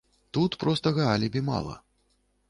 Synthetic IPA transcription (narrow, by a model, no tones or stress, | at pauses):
t̪ut̪pɾɔst̪ɐɣɐalʲibʲima̰lˠɐ̰